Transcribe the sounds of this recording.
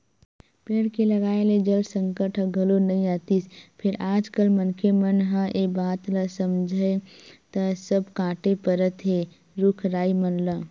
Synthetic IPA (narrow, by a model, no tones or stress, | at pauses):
peːɽkeləɡaːeled͡ʒəlsə̃ŋkəʈʰɦə̃ɡʱəlonɐɦĩaːt̪ispʰɪɾaːd͡ʒkəlmənkʰemənɦãʔebaːt̪ləsəmd͡ʒʱəet̪əsəbkãːʈepəɾət̪ɦe | ɾʊkʰɾaːimənlə